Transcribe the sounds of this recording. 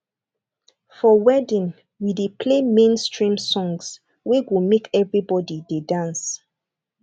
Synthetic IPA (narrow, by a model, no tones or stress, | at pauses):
fɔwɛdĩn | widepʰlemẽnstɹĩmsɔ̃ŋs | weɡumekʰɛvɹibɔdidedãns